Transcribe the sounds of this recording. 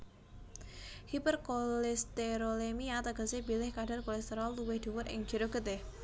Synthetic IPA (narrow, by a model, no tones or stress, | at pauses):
hipərkolɛst̪eɾolemiat̪aɡ̥a̤sebilɪhkaɖ̥a̤rkolɛst̪eɾalːuwɪhd̪̥uwʊɾɪ̰ŋ̥d͡ʒ̥iɾoɡ̥ət̪ɪh